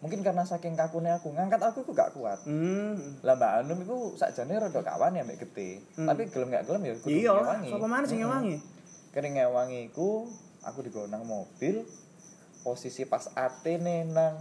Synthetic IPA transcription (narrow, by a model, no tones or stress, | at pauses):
muŋkɪnkarnasakɪŋkakuneakuŋaŋkat̪akuikuŋɡa̰ʔkua̰t̪̚ | lambaːnʊmikusa̰ʔdd͡ʒ̥a̤neɾədɔka̰waniambeʔɡ̥ət̪et̪apiɡ̥ələmɡa̰ʔɡələmjaɡujɔewaŋisɔkɔmanəsɪŋewaŋi | kəɾɪŋewaŋiːku | ʔa̰kudi̤ɡonaŋmob̥ɪl | posisipasat̪enenaŋ